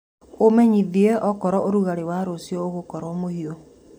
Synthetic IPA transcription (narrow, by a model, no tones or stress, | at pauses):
omɛɲiðiɛʔɔkɔɾɔʔoɾuɣaɾewaɾosjɔoɣokɔɾɔmohio